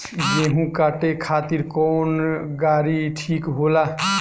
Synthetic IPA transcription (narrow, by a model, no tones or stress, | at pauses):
jeɦũkaːʈekʰaːt̪iɾkɔːnɡaːɾiʈʰiːkɦola